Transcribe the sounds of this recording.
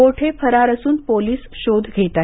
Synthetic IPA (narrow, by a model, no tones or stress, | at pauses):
oʈʰepʰəɾaɾəsuːnpoliːsɕod̪ʱɡʱet̪a